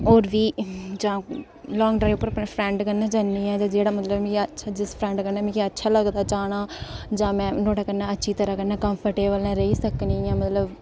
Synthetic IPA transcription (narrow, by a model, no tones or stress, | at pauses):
oːɾʋiːd͡ʒãː | lɔːŋɡɖɾaːipəɾpɛpʰɾɛ̃ːɳɖkəɾnãːd͡ʒanːiːɛ̃ːd͡ʒãːd͡ʒeːɽaːmət̪ləbmĩːkiətːʃʰaːd͡ʒɪspʰɾɛ̃ːɳɖkəɾnaːmĩːkiətːʃʰaːləɡd̪aːt͡ʃaːɽ̃aːd͡ʒãːmɛ̃ːnoːʈaːkəɾnaːətːʃʰiːt̪əɾaːkəɾnaːkəmpʰəɾʈeːbəlɛ̃ːɾəiːsəknĩːɛ̃ːmət̪ləb